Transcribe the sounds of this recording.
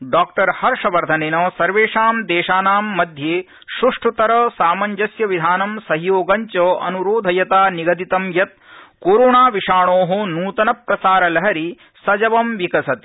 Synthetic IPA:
ɖaːk̚ʈɐɾhɐɾʂɐʋɐɾd̪ʱɐneːnɐːsɐɾʋeːʂaːmd̪eːʃaːnaːmːɐd̪ʱjeː | ʃɾuʂʈʰut̪ɐɾɐsaːmɐɲd͡ʒɐsjɐʋid̪ʱaːnɐmsɐɦijoːɡɐɲt͡ʃɐːʔɐ̰nuɾoːd̪ʱɐjɐt̪aːniɡɐd̪it̪ɐmjɐt̪̚koːɾoːɳaːʋiʂaːɳoːɦɐnuːt̪ɐnɐpɾɐsaːɾɐlɐɦɐɾi | sɐd͡ʒɐʋɐmʋikɐsɐt̪i

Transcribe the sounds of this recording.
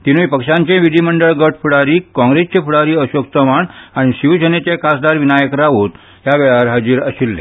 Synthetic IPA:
t̪inuipəkʂãɲt͡ɕẽʋid̪ʱiməɳɖəɭɡəʈʰfuɽaɾiːkɔ̃ŋɡɾest͡ɕẽfuɽaɾiːəɕokt̪əmaɳaɽ̃iɕiʋd͡ʑənet͡ɕekasd̪aɾʋinajəkɾaʋot̪ | jaʋɛɭaʋəɾɦad͡ʑiːɾə̰ɕilːḛ

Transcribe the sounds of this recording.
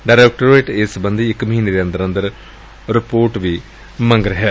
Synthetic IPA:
ɖaːɾeːkʈoɾeːʈesbɐ̃nd̪ʱiɪkːmɐɦiːneɾiɐ̃nd̪əɾɐnd̪əɾ | ɾɪpoːɾʈʋiː | mɐ̃ŋɡɾɪɦɛ

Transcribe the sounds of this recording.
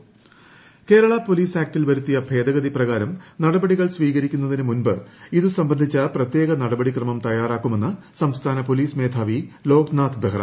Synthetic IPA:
ke̞ːɾɐɭɐpo̞liːsaːk̚tilʋɐɾut̪ːijɐbʱe̞ːd̪ɐɣɐðiprɐɣaːɾɐmnɐɽɐbɐɽiɣɐɭsʋiːɣɐɾikʲːunːɐðinɨmunbɨiðusɐmbɐnd̪ʱit͡ɕːɐprɐt̪je̞ːɣɐnɐɽɐbɐɽikrɐmɐmt̪ɐjaːraːkːume̞nːɨsɐmst̪ʰaːnɐpo̞liːsme̞ːd̪ʱaːʋilo̞ːknaːt̪ʰbeɦrɐ̰

